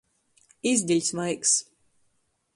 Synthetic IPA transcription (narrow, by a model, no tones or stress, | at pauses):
izʲd̪ʲilʲsmajks